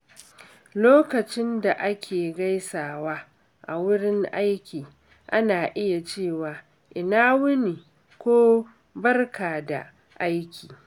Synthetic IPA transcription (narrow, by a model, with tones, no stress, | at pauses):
loː˦kɐ˨t͡ʃɪ˦nda˨ʔa˦kʲʰeː˨ɡa˦jsaː˨waː˦ | ʔa̰˨wʊ˦ɽɪ˦ŋʔa˦jkʲiː˨ | ʔa˦naː˨ʔɪ˦ja˨t͡ʃeː˦˨waː˨ | ʔɪ˨naː˦wʊ˦ni˨ | kʷoː˦ | bɐ˦rkaː˨da̰˨ | ʔa˦jkʲʰiː˨